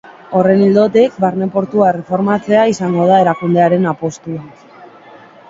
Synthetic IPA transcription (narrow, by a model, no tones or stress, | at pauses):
o̞re̞nild̪o̞t̪ekbaɾne̞po̞ɾt̪uaere̞fo̞ɾmat͡se̞aisaŋɡo̞ð̞ae̞ɾakund̪e̞aɾe̞napo̞st̪u